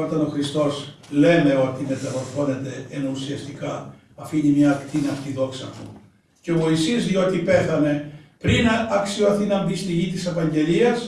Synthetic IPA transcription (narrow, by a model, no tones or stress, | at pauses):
o̞t̪ɐno̞xɾist̪o̞s | le̞ne̞o̞t̪ime̞t̪ɐvo̞ɾθo̞ne̞t̪e̞enusiɐst̪ikɐ | ɐfiinemɲɐːkt̪inɐft̪iðo̞ksɐ̰t̪ṵ | ceovo̞isizðio̞t̪ipe̞θɐne̞pɾinɐksioθinɐmbist̪iʝit̪ise̞vɐɲɟe̞liɐs